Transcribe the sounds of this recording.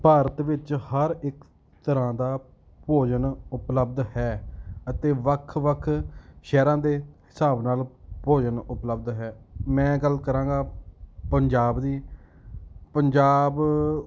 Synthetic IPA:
paːɾət̪ʋɪt͡ʃhəɾɪk | t̪əɾãːd̪aː | poːd͡ʒənʊpləb̚d̪hɛːət̪eːʋəkʰʋəkʰʃɛːɾãːd̪eːhɪsaːbnaːlpoːd͡ʒənʊpləbd̪ɦɛːmɛ̃ːɡəlkəɾãːɡaːpəɲd͡ʒaːbd̪iː | pəɲd͡ʒaːb

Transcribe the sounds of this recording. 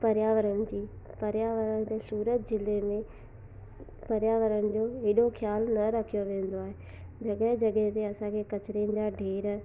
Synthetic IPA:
pəɾjaːʋəɾənd͡ʑiː | pəɾjaːʋəɾənd͡ʑeːsuːɾət̪̚d͡ʒɪleːmẽ | pəɾjaːʋəɾənd͡ʑoːeɗokʰɪjaːlnɐɾəkʰijoʋẽːnd̪oaːɦeː | d͡ʒəɡɛd͡ʒəɡɛt̪eɐsãkʰeːkət͡ʃɾẽːnd͡ʒaːɖʱeːɾ

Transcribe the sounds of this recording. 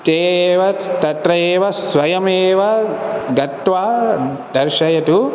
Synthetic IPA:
t̪eːʋɐt̪ɐʈɾɐjeːʋɐsʋɐjɐmeːʋɐɡɐt̪ʋaː | d̪ɐɾʃɐjɐt̪u

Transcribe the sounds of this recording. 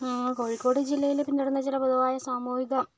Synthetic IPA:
ko̞ːɻikːo̞ːɽɨd͡ʑilːɐjilepːinːiɽɐnːɐt͡ɕilɐpoðuʋaːjɐsamuːhiɣɐm

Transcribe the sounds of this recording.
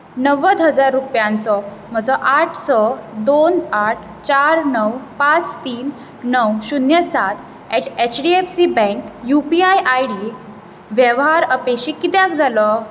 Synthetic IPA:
nəʋəd̪ɦəd͡zaɾːupjãnt͡sɔm̤əd͡zɔʔaʈʰsɔd̪onaʈʰ | t͡ɕaɾnəwpat͡st̪iːnː | əwɕunjəsat̪ | ɛʈet͡ɕɖiefsibɛ̃ŋkjupiajʔajɽi | ʋjeʋɦaɾəpeɕikːit̪jãk̚d͡zʱalɔ

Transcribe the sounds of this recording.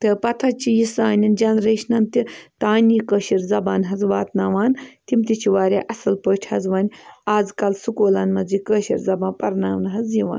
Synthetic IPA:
t̪ɨpɐt̪ʰɐt͡ʃijisaːnʲind͡ʒɐnɾeːʃnɐnt̪it̪aːnʲikəːʃiɾzɐbaːnɦɐzʋaːt̪naːʋaːnt̪imt̪ʲit͡ʃʰiʋaːɾʲaːʔɐsɐlpəːʈʲʰhɐzʋaːnʲaːzkɐlsukoːlaːnmɐd͡zikəːʃḭɾzɐbãːnpɐɾnaːʋnɦɐziʋa̰ːn

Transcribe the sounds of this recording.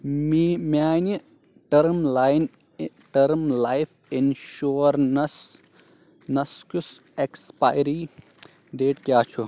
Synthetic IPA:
imaːni | ʈɐɾmlajn | ʈɐɾmlajf | enʃuːɾnɐs | nɐskusekspajɾi | ɖeːʈkjaːt͡ʃʰu

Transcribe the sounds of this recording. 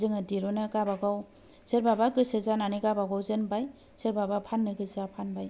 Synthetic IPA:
zɯŋɯdiɾɔnɯɡabaɡaw | seɾbabaɡɯsɯzananiɡabaɡawzɯnbaj | seɾbabapʰanːɯɡɯzapʰanbaj

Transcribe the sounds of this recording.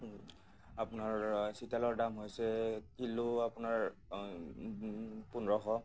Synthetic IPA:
apʊnaɹsitalɔɹdamɦojsɛkilʊapunaɹ | punɹɔɦɔ

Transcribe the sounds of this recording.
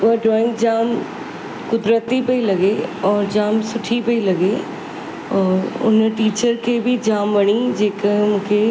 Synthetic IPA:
aɖɾɔːɪ̃ŋɡd͡ʑaːm | kʊd̪ɾət̪ːipɐilɐɡeɔːɾd͡ʑaːmsʊʈʰipɐilɐɡe | ɔːɾʊ̰nʈiːt͡ɕəɾkʰeːbɪd͡ʑaːmʋɐɽ̃id͡ʑeːkəmũːkʰe

